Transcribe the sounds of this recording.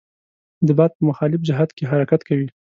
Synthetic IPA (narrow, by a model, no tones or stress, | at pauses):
d̪əbɑd̪̚pəmaxɑlɪfd͡ʒɪɦad̪keɦaɾakat̪kawi